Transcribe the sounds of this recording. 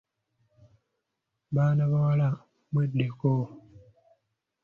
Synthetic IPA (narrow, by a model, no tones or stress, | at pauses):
banabawala | meɗeko